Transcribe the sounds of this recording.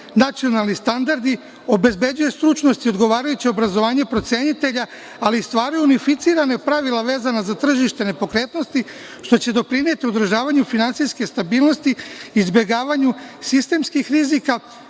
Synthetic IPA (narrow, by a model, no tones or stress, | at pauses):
nat̪sio̞nalˠnist̪and̪aɾd̪i | o̞be̞zbe̞d͡ʑujest̪ɾut͡ʃno̞st̪io̞d̪ɡo̞ʋaːɾajut͡ɕio̞bɾazo̞ʋaːɲe̞pɾo̞t̪sʲe̞ɲit̪e̞ʎaː | list̪ʋaːɾujuunifit̪siːɾane̞pɾaʋilˠaʋe̞ːzanazat̪r̩ʒiʃt̪e̞ne̞po̞kɾe̞ːt̪no̞st̪i | ʃt̪o̞t͡ɕe̞d̪o̞pɾine̞t̪iod̪ɾ̩ʒaːʋaɲufinant̪sijske̞st̪abiːlˠno̞st̪iiːzbʲje̞ɡaːʋaɲusist̪e̞mskixɾizika